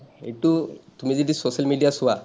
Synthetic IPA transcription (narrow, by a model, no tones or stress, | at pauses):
ḛjʈut̪umizedisosalmiɖijasʊwa